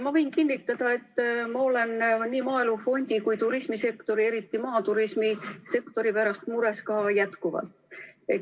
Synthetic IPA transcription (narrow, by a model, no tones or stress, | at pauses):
mɑvɤ̞jnkinːit̪ːˑɑd̪̥ɑe̞t̪ːmɑo̞le̞nniːmɑːelufo̞nʲd̪̥ikujt̪uɾismise̞kt̪o̞ɾie̞ɾit̪ːˑimɑːt̪uɾismise̞kt̪o̞ɾipæɾɑst̪muɾe̞skɑːjæt̪kuvɑ̰lt̪e